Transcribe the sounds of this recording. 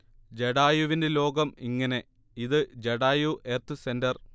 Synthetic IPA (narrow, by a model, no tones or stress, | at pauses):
d͡ʑeɽaːjuʋinde̞lo̞ːɡɐmiŋːɐne̞ | iðɨd͡ʑeɽaːjuʔet̪ːɨse̞ndɐr